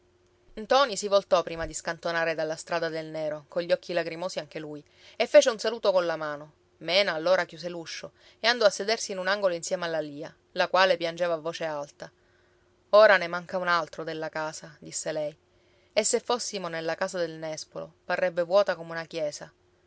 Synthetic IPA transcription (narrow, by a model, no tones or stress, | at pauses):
nt̪ɔnisivolt̪ɔpːɾiːmad̪iskant̪onaːɾed̪alːast̪ɾaːd̪ad̪elneːɾokoʎːɔkːilaɡɾimoːsiaŋk̟eluːj | efːeːt͡ʃeunsaluːt̪okonlamaːno | mɛːnaːlːoːɾakjuːs̬eluʃːo | eand̪ɔasːed̪ersiːnunaŋɡoloinsjɛːmealːaliːa | lakwaːlepjand͡ʒeːvavːoːt͡ʃealt̪a | oːɾanemaŋkaunalt̪ɾod̪elːakaːsad̪isːelɛj | esːefːosːimonelːakaːsad̪elnɛspolo̰parːɛbːevwɔːt̪akomeunakjɛːsa